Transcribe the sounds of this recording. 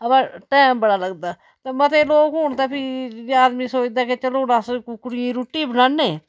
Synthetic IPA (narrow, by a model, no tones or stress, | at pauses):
əpaːʈɛːmbəɽaːləɡd̪aː | t̪ẽːmət̪eːloːkɦʊɳt̪aːpʰiaːd̪miːsoːd͡ʒd̪aːket͡ʃəloːnaːskkʊɽiẽɾuːʈːiːbənãːnːeː